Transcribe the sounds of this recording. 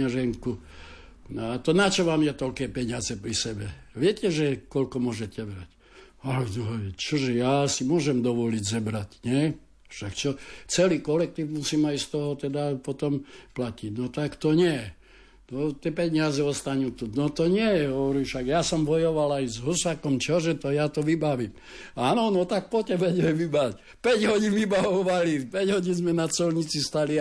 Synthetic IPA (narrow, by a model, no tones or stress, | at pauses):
aʒɛŋku | nɔat̪ɔnat͡ʃɔʋaːmjɛt̪ɔʎkɛːpɛɲɪazɛpɾisɛbɛ | ʋɪɛcɛʒɛkɔlkɔmʊɔʒɛcɛʋɾac | alɛd̪ɔɦɔt͡ʃɔʒɛjaːsimʊɔʒɛmd̪ɔʋɔliɟzɔbɾacɲɛ | fʃakt͡ʃɔt͡sɛliːkɔlɛk̚t̪iːfmusiːmajst̪ɔɦɔt̪ɛd̪apɔt̪ɔmplaciɟnɔt̪akt̪ɔɲɛjɛ | nɔt̪ɪɛpɛɲɪazɛɔst̪aɲuːt̪unɔt̪ɔɲɪɛjɛɦɔʋɔɾiːʃaɡjasɔmbɔjɔʋalajzɦusakɔmt͡ʃɔʒɛt̪ɔjat̪ɔʋibaʋiːm | aːnɔnɔt̪ak̚pɔcɛbɛɟɛʋibac | pɛɟɦɔɟinʋibaʋɔʋalipɛɟɦɔɟinzmɛnat͡sɔlɲit͡sist̪ali